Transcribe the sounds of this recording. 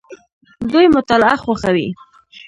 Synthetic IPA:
d̪ujmʊt̪ɑlaxwaxawḭ

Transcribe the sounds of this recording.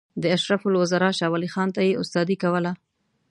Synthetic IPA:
d̪əaʃɾafʊlwazɑɾɑʃɑwalixɑnt̪ajeʊst̪ɑd̪ikawəla

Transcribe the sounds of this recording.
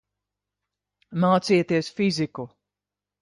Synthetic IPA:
maːt̪sijɛt̪iɛsfiziku

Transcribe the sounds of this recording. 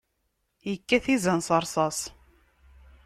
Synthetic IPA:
jəkːæθizənsˤɑɾˤsˤɑsˤ

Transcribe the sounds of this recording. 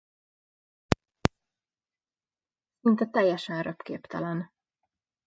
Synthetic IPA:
sint̪ɛt̪ɛjːɛʃɛnrøpkḛːpt̪ɛlɛn

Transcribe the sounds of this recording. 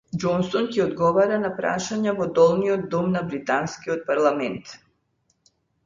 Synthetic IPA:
d͡ʒɔnsɔncɛɔd̪ɡɔvaɾanapɾa̰ʃaɲavɔd̪ɔlˠniɔd̪̚ːɔmnabɾit̪anskiɔt̪̚paɾlˠamɛnt̪

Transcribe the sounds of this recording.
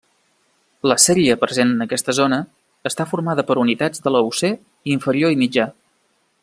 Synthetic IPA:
ləsɛɾiəpɾəzenənəkɛst̪əzonəː | st̪afurmaðəpəɾunit̪ad͡zðələuse | iɱfəɾioimid͡ʒa

